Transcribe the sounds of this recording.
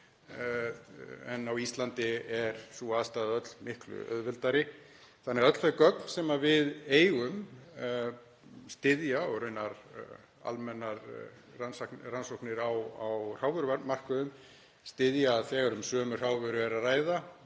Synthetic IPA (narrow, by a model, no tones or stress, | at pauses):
ɛ̰nːawist̪lant̪ɪɛɾ̥suaːðst̪aːðaœt̪lmɪhklʏ̰œ̰ðvɪlt̪aɾɪ | θanːɛɣaœt̪l̥fɛkœkn̥sɛmavɪðeːjɣʏm | st̪ɪðjaɔɣɾʏɥnaɾ | a̰lmɛnːaɾ | ransakransowhknɪɾawawr̥awvœɾʏamar̥kʏðʏm | st̪ɪðjaðθɛːɣaɾʏmsœːmʏr̥aːwvœɾʏvɛɾaraːjða